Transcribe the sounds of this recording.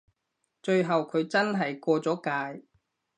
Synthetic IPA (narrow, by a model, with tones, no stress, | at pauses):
t͡ʃɵ˧ɥɦɐ˨wkʰɵ˨˧ɥt͡sɐ˥nɦɐ˨jkɔː˧t͡sɔː˨˥kaː˧j